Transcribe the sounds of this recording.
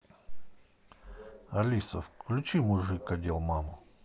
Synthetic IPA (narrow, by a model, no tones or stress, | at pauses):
ɐlʲisə̰fklʲʊt͡ɕimʊʐɨkːɐdʲelˠmamʊ